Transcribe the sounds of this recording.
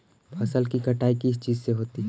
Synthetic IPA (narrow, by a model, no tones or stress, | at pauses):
pʰɐsəlkikəʈaːikiɪst͡ʃiːzseɦoːt̪i